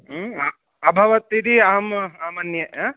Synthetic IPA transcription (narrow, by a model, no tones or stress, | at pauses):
ɐbʱɐʋɐt̪iɾiamamɐnjɐa